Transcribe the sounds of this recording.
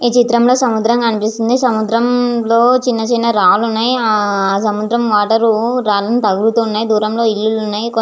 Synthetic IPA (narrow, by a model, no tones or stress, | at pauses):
iːt͡ʃit̪ɾɐmlo̞ːsɐmud̪ɾɐŋkaːnipist̪und̪isɐmud̪ɾɐmlo̞ːt͡ʃinːɐt͡ʃiːnɐɾaːlunːaːjiaaːsɐmud̪ɾɐmʋaːʈɐɾuɾaːlɐnit̪ɐɡuɾut̪uːunːaːjid̪uːɾɐmlo̞ːilːulunːaːjiko